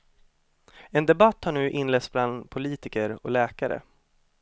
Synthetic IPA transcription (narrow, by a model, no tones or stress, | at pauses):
ɛnd̪ɛbat̪ːhaɳʉ̟ːʔɪnlɛːt̪sbland̪pʰʊliːt̪ɪkəɾɔlɛːkaɾə̰